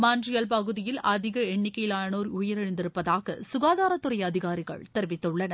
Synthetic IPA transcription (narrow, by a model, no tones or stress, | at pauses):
maːndrɪjɐlpɐɣɯðɪjɪlʔɐðɪɣɐɛɳːɪkːɐjɪlaːjɐnoːɾʊjɐɾɛɻɪnd̪ɪɾɯpːɐðaːɣɐ̰sʊɣaːðaːɾɐt̪ːɯɾɐjɐðɪɣaːɾɪɣɐ̰ɭt̪ɛɾʋɪt̪ːɯɭːɐnɐ